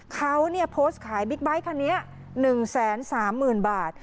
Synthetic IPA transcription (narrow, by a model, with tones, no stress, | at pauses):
kʰa˦˥wni˥˩əpʰoː˦˥st̪̚kʰaː˩˦jbi˦˥k̚ba˦˥jkʰa˧˩ni˦˥ɐ | nɯ˨˩ŋsɛː˩˦nsaː˩˦mːɯː˨˩nbaː˨˩t̪̚